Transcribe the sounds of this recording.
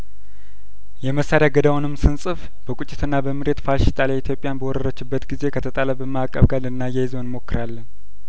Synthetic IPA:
jɛməsaɾjaɡəd̪awunɨmsɨnsʼɨf | b̥əkʷʼut͡ʃʼːɪt̪ʰɨnːabəmɨɾe̞t̪faʃɪt̪ʼalait̪ʰjo̞pʼjanbəwɔɾəɾət͡ʃːɨbːət̪ɡize̞kʰət̪ʰət̪ʼaləbəmakʼə̰βɡalɨnːajɛjizo̞nmo̞kːɨɾalːən

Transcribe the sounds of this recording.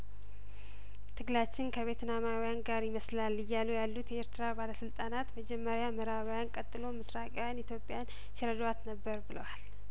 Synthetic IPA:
t̪ʰɨɡlat͡ʃːɪnkʰəβe̞t̪namawjanɡaɾjɪməslalːɨjːalujalːut̪jeeɾt̪ʰɨɾabaləsɨlt̪ʼanat̪məd͡ʒɛmːəɾjamɨɾaβjankʼət̪ʼːɨlo̞mɨsɾakʼjawjanit̪ʰjo̞pʼːjan | siɾəd̪wat̪nəbːəɾbɨləwal

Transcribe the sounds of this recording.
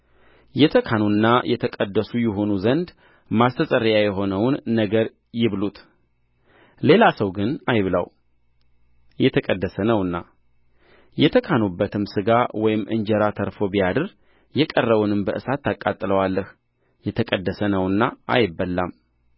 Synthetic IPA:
jɛt̪ʰəkʰanunːajʔɛt̪ʰəkʼəd̪ːəsujɛɦo̞nuzənd̪ | mast̪ʰəsʼəɾjajɛɦo̞nəwnːəɡəɾ | jɪβlut̪ | le̞lasəwɡɨnajβlə̰w | jɛt̪ʰəkʼəd̪ːəsənəwɨnːa̰ | jɛt̪ʰəkʰanubːət̪ʰɨmsɨɡawɔjɪmʔɨ̰nd͡ʒɛɾat̪ʰəɾfo̞bijad̪ɨɾ | jɛkʼərːəβunɨmbəʔɨsat̪ːakʼːat̪ʼːɨləwalːəh | jɛt̪ʰəkʼəd̪ːəsənəwɨnːaʔa̰jɪbːəlːam

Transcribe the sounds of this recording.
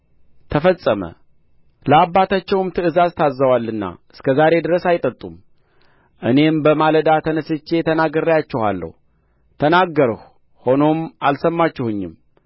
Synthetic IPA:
t̪ʰəfəsʼəmə̰ | ləabːat̪ʰat͡ʃːɛwmt̪ʰɨɨzazt̪ʰazːəwalːɨnːa̰ʔɨskʰəzaɾe̞d̪ɨɾəsajɪt̪ʼət̪ʼum | ʔɨne̞mbəmaləd̪at̪ʰənəsɨt͡ʃːe̞t̪ʰənaɡəɾəjat͡ʃːɛha̰lːə̰h | t̪ʰənaɡːəɾəh | ho̞no̞mʔalsəmːat͡ʃːɛhɨɲːɪm

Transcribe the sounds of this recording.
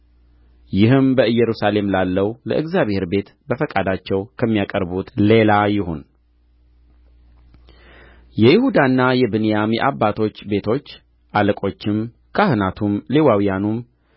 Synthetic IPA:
jɪɦɨmbəɨjːɛɾusale̞mlalːəwlə̰ʔɨɡzaβhe̞ɾbe̞t̪bəfəkʼad̪at͡ʃːɛwkʰəmːijakʼəɾbut̪le̞lajɪhun | jɛjɪhud̪anːajɛbɨnijamjɛ̰ʔabːat̪ʰo̞t͡ʃːbe̞t̪ʰo̞t͡ʃː | ʔaləkʼo̞t͡ʃːɪm | kʰahɨnat̪ʰumlewawijanum

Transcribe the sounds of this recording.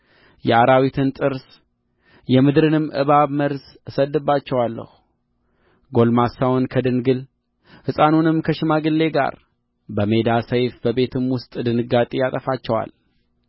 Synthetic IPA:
jɛaɾawit̪ʰɨnt̪ʼɨɾs | jɛmɨd̪ɾɨnɨmʔɨ̰βaβməɾs | səd̪ːɨbːat͡ʃːɛwalːə̰h | ɡo̞lmasawonkʰəd̪ɨnɡɨl | hɨsʼanunɨmkʰəʃɪmaɡɨlːe̞ɡa̰ɾ | bəme̞d̪asəjfbəβe̞t̪ʰɨmwʊst̪ʼd̪ɨnɨɡat̪ʼijat̪ʼəfat͡ʃːɛwa̰l

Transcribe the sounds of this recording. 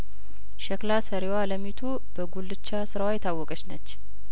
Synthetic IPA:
ʃɛklasəɾewaləmit̪ʰu | b̥əɡulːɨt͡ʃːasɨɾawajɛt̪ʰawːɔkʼət͡ʃnət͡ʃː

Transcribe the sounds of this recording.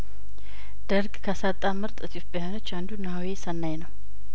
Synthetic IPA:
d̪̥əɾɡʼkʰəsat̪ʼːamɨɾt̪ʼɨt̪ʰifbihano̞t͡ʃːand̪unːawesənːajnəw

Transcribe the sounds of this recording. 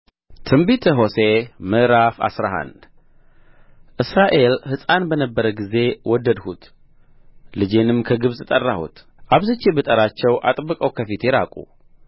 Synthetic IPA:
t̪ʰɨmbit̪ʰəɦo̞semɨʔɾafa̰sɾaɦa̰n | ʔɨsɾaʔe̞lhɨsʼanbənəbːəɾəɡize̞wɔd̪ːəd̪hut̪ | lɨd͡ʒe̞nɨmkʰəɡɨβzɨt̪ʼərːahṵt̪ | ʔaβzət͡ʃːebɨt̪ʼəɾat͡ʃːɛwʔa̰t̪ʼbːɨkʼəwkʰəfit̪ɛɾa̰kʼṵ

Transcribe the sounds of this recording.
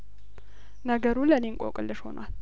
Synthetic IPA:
nəɡəɾulənenkʷʼo̰kʼɨlːɨʃho̞̰na̰l

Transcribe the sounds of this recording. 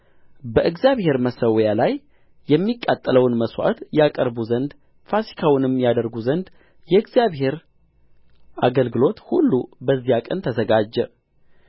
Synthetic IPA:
bəʔɨɡzijaβhe̞ɾməsəwjalaj | jɛmːikʼːat̪ʼːələwnməswa̰t̪jakʼəɾbuzənd̪ | fasi̥kʰawnɨmjad̪əɾɡuzənd̪ | jɛɨɡzjaβhe̞ɾ | aɡəlɡɨlo̞t̪hulːubəzːijakʼənt̪ʰəzəɡad͡ʒːɛ

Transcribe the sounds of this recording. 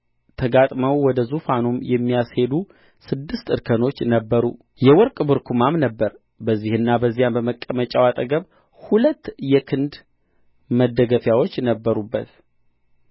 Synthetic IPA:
t̪ʰəɡat̪ʼməwwɔd̪əzufanumjɛmːijashe̞d̪u | sɨd̪ːɨst̪ɨɾkʰəno̞t͡ʃːnəbːəɾṵ | jɛwɔɾkʼbɨɾkʰumamnəbːəɾ | bəzːihɨnːabəzːijanbəməkʼːəmət͡ʃʼawat̪ʼəɡəβ | hulət̪ːjɛkʰɨnd̪ | məd̪ːəɡəfjawo̞t͡ʃːnəbːəɾubːət̪

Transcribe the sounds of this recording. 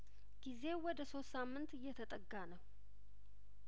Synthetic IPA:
ɡ̥ize̞wɔd̪əso̞t̪ːsamːɨnt̪jɛt̪ʰət̪ʼəɡːanəw

